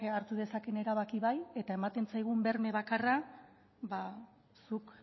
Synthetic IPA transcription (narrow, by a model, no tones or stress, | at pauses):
aɾt̪uð̞e̞sake̞ne̞ɾaβakiβaje̞t̪ae̞mat̪e̞nt͡sajɣ̞umbe̞ɾme̞βakara | ba | suk